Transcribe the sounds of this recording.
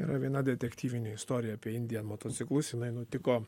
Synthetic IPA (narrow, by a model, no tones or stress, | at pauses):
iːɾɐʋʲiɛnɐd̪ʲɛt̪ʲɛkt̪ʲiːʋʲɪnʲʊɪst̪oːɾʲɪjɛɐpʲiɛɪnʲd̪ʲɪjɛnmoːt̪oːt̪sʲɪklˠʊsjɪnɐɪnʊt̪ʲɪkoː